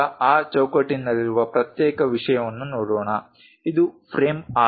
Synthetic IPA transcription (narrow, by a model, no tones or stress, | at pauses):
ɐaːt͡ʃɐwkɐʈːinːɐliɾuʋɐpɾɐt̪jɛːkɐʋiʂɐjɐmɐnːunoːɽɔːɳɐ | id̪upʰɾeːmaː